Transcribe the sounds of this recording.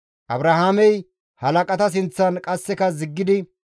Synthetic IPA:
ʔɐbɾɐhaːmɛj | hɐlɐkʼɐt̪ɐs̬ɪnt͡sːɐnkʼɐsːɛkɐzɪɡːɪd̪ɪ

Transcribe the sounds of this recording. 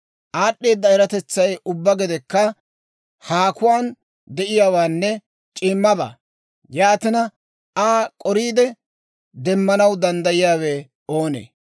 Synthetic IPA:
ʔaːɗːe̞ːd̪ːɐɛɾɐt̪ɛt͡sːɐjʊbːɐɡɪd̪ɛkːɐ | haːkʊwaːn | d̪ɛʔɪjaːwaːnːɛ | t͡ʃʼɪːmːɐba̰ː | jaːt̪ɪnɐ | aːkʼɔɾiːd̪ɛ | d̪ɛmːɐnɐwd̪ɐnd̪ɐjɪjaːwɛ | o̞ːnḛː

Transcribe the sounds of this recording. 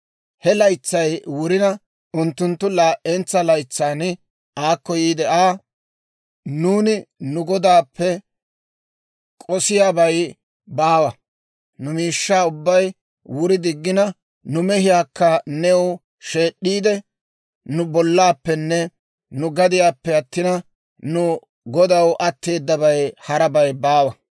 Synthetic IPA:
hɛlɐjt͡sːɐjwʊɾɪnɐ | ʊnt̪ːʊnt̪ːʊlaʔʔɛnt͡sːɐlɐjt͡sːaːn | ʔaːkːɔjiːd̪ɛʔaː | nuːnɪnʊɡɔd̪aːpːɛ | kʼɔsɪjaːbɐj | baːwɐ | nʊmiːʃːaːʊbːɐj | wʊɾɪd̪ɪɡːɪnɐ | nʊmɛhɪjaːkːɐnɛʊ | ʃe̞ːɗːiːd̪ɛ | nʊbɔlːaːpːɛnːɛ | nʊɡɐd̪ɪjaːpːɛɐt̪ːɪnɐ | nʊ | ɡɔd̪ɐwʔɐt̪ːe̞ːd̪ːɐbɐjhɐɾɐbɐjbaːwɐ

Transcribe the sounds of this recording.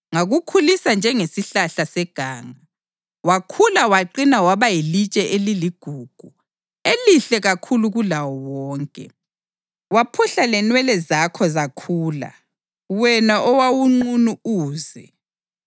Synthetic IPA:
ŋaɣukʰulisand͡ʒʱɛŋesiɬaɬasɛɡ̥ʱaːŋa | wakʰulawaǃinawaβajilit͡ʃʼɛʔeliliɡ̥ʱuːɡ̥ʱu | eliɬɛɣakʰuluɣulawɔwɔːŋkʼɛ̰ | wapʰuɬalɛnwɛlɛzakʰɔzakʰuːla̰ | wɛnaʔɔwawuŋ͡ǃunuuːzɛ

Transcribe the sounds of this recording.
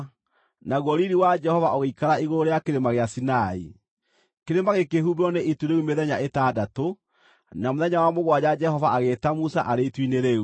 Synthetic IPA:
naɣwɔɾiɾiwad͡ʒɛhɔvaoɣeikaɾaiɣoɾoɾejakeɾemaɣeasinaḭ | keɾemaɣekeɦuβɔneʔituɾeumeðɛɲaetaːdato | namoðɛɲawamoɣwad͡ʑad͡ʒɛhɔvaʔaɣetamusa̰ʔaɾeitwineɾeu

